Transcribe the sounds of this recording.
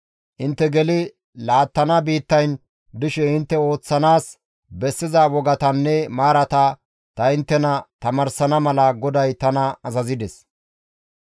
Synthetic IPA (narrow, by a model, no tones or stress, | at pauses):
ʔɪnt̪ːɛɡɛlɪ | laːt̪ːɐnɐbiːt̪ːɐjn | d̪ʊʃɛɪnt̪ːɛo̞ːt͡sːɐnaːs | bɛsːɪzɐwɔɡɐt̪ɐnːɛmaːɾɐt̪ɐ | t̪ɐɪnt̪ːɛnɐt̪ɐmɐɾsɐnɐmɐlɐɡɔd̪ɐjt̪ɐnɐɐzɐzɪd̪ɛs